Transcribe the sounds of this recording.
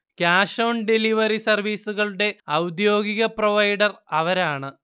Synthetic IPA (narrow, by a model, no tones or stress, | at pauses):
kaːʂoːɳɖiliʋɐɾisɐrʋiːsuɣɐɭuɽe̞ɐwd̪jo̞ːɡiɣɐproʋɐjɽɐrɐʋɐɾaːɳɨ